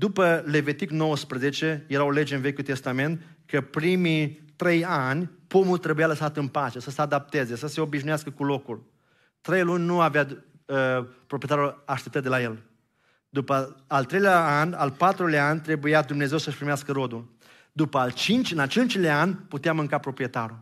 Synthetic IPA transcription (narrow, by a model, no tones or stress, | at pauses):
d̪upəle̞vit̪ikno̞wəspɾəze̞t͡ʃe̞jeɾao̞le̞d͡ʒeɨnve̞kʲult̪e̞st̪ame̞nt̪ | kəpɾimit̪ɾe̞janʲpomult̪ɾe̞bujaləsat̪ɨnpat͡ʃe̞səsəad̪ap̚t̪e̞ze̞səse̞o̞biʒnujaskəkulo̞kul | t̪ɾe̞jlunʲnuavea | əpɾopɾijet̪aɾulaʃt̪ep̚t̪ət̪d̪elaje̞l | d̪upəalt̪ɾejleaana̰lpat̪ɾulaanʲt̪ɾe̞bujad̪umne̞ze̞wsəʃpɾimeaskəɾo̞d̪ul | d̪upəalt͡ʃint͡ʃɨnat͡ʃent͡ʃlaanʲput̪eamɨŋkapɾo̞pɾije̞t̪aɾu